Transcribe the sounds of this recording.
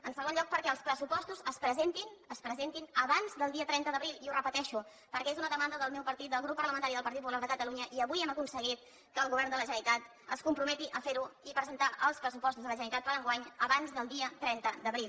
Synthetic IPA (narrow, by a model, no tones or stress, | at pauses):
ənsəɣ̞onʎɔk̚pəɾkɛəlˠspɾəsupɔst̪uzəspɾəzent̪inəspɾəzent̪inəβanzðəlˠd̪iət̪ɾɛnt̪əðəβɾilˠiurəpət̪ɛʃu | pəɾkɛezunəðəmand̪əðəlˠmɛwpəɾt̪it̪̚d̪əlˠɣ̞ɾupːəɾləmənt̪aɾiðəlˠpəɾt̪it̪pupulaɾðəkət̪əluɲəʔiəβujɛməkunsəɣ̞it̪̚ | kəːlˠɣuβɛrnd̪ələʒənit̪at̪ | əskumpɾumɛt̪iʔəfeɾuipɾəzənt̪aʔəlˠspɾəs̬upɔst̪uzðələʒənit̪at̪pəɾəŋɡwaɲəβanzðəlˠd̪iət̪ɾɛnt̪əd̪əβɾilˠ